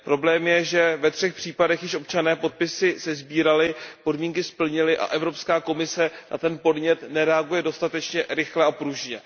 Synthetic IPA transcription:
pɾo̞blɛːmjɛʒɛvɛt̪r̝̥ɛxpr̝̥iːpadɛxjɪʃʔo̞pt͡ʃanɛːpo̞t̪̚pɪsɪsɛzbiːɾalɪpo̞dmiːŋkɪspl̩ɲɪlɪʔa̰ʔɛvɾo̞pskaːko̞mɪsɛnʔa̰t̪ɛnpo̞dɲɛt̪nɛɾɛaɡujɛdo̞st̪at̪ɛt͡ʃɲɛɾɪxlɛapɾuʒɲɛ

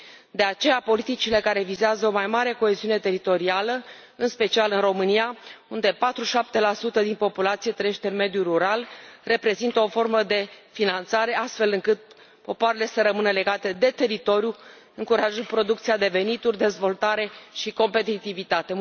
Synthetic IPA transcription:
d̪e̞at͡ʃe̞japo̞lit̪it͡ʃile̞kaɾe̞vizeazəo̞majmaɾe̞ko̞eziune̞t̪e̞ɾit̪o̞ɾialə | ɨnspe̞t͡ʃialɨnro̞mɨnijaund̪e̞pat̪ɾuʃap̚t̪e̞lasut̪əd̪inpo̞pulat̪sijet̪ɾejeʃt̪e̞ɨnme̞d̪juruɾalre̞pɾe̞zint̪əo̞fo̞rməd̪e̞finant̪saɾe̞ast̪fe̞lɨŋkɨt̪̚ | po̞poaɾele̞səɾəmɨnəle̞ɡat̪e̞d̪e̞t̪e̞ɾit̪o̞ɾju | ɨŋkuɾaʒənpɾo̞d̪uk̚t̪sijad̪e̞ve̞nit̪urʲd̪e̞zvo̞lt̪aɾe̞ʃiko̞mpe̞t̪it̪ivit̪at̪e̞

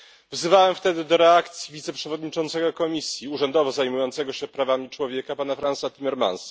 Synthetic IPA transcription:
vzɘvawɛmft̪ɛd̪ɘd̪ɔɾɛakt̪sʲjivʲit̪sɛpʂɛvɔd̪ɲit͡ʂɔnt̪sɛɡɔkɔmʲisʲjiuʐɛnd̪ɔvɔzajmujɔnt̪sɛɡɔɕɛpɾavamʲit͡ʂwɔvʲjɛkapanafɾansat̪ʲimɛɾma̰nsa

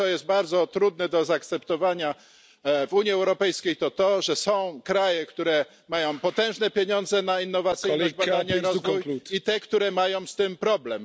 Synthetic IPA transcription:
ɔjɛst̪̚baɾd̪zɔt̪ɾud̪nɛd̪ɔzaːk̚t̪sɛpt̪ɔvaɲa | vuɲiɛwɾɔpɛjskʲejt̪ɔt̪ɔʐɛsɔ̃w̃kɾajɛkt̪uɾɛ | majɔ̃w̃pɔt̪ɛ̃w̃ʐnɛpʲjeɲɔnd̪zɛnainːɔvat̪sɘɔbad̪aɲaiɾɔzvujit̪ɛkt̪uɾɛmajɔ̃w̃st̪ɘmpɾɔblɛm

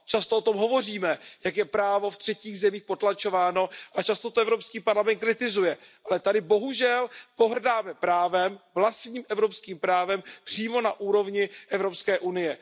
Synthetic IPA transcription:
t͡ʃast̪oot̪o̞mɦo̞vo̞r̝iːmɛjakjɛpɾaːvo̞ft̪r̝̥ɛciːɣzɛmiːxpo̞t̪lat͡ʃo̞vaːno̞ʔat͡ʃast̪ot̪oɛvɾo̞pskiːpaɾlamɛnt̪̚kɾɪt̪ɪzujɛʔalɛt̪adɪbo̞ɦuʒɛlpo̞ɦrdaːmɛpɾaːvɛmvlast̪ɲiːmʔɛvɾo̞pskiːmpɾaːvɛmpr̝̥iːmo̞naʔuːɾo̞vɲɪʔɛvɾo̞pskɛːʔunɪjɛ

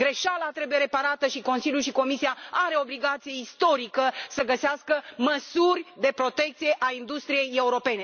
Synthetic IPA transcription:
ɡɾe̞ʃalat̪ɾe̞buje̞ɾe̞paɾat̪əʃiko̞nsiljuʃiko̞misiaaɾe̞o̞bliɡat̪sije̞ist̪o̞ɾikəsəɡəseaskəməsurʲd̪e̞pɾo̞t̪e̞k̚t̪sije̞ʔaind̪ust̪ɾije̞je̞uɾo̞pe̞ne̞

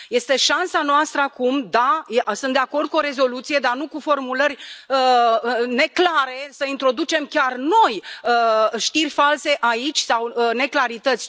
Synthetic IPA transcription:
je̞st̪e̞ʃansanoast̪ɾəakumd̪ajesɨnd̪e̞ako̞rd̪̚kuo̞ɾe̞zo̞lut̪sije̞d̪arnukufo̞rmulərʲəne̞klaɾe̞səint̪ɾo̞d̪ut͡ʃe̞mkʲarno̞jəʃt̪irʲfalse̞ʔait͡ʃʲsawəne̞klaɾit̪ət̪sʲ

